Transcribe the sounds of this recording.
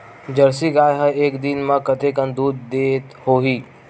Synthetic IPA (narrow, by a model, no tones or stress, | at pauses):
d͡ʒɐɾsiɡaːjɦəeːkd̪inmãkət̪ʰekə̃nd̪uːd̪ːeːt̪ɦoːɦiː